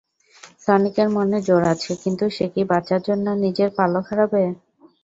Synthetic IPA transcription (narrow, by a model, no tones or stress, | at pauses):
sanikeɾmoned͡ʑoɾat͡ɕʰekint̪uʃekibat͡ɕaɾd͡ʑonːonid͡ʑeɾpalokʰaɾabe